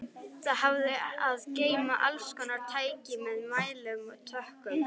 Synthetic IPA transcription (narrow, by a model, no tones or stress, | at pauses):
t̪ahavðɪaðceːjmaʔalskʰɔnːaɾ̥t̪ʰaːjcɪmɛðmaːjlʏmɔɣt̪ʰœhkʏm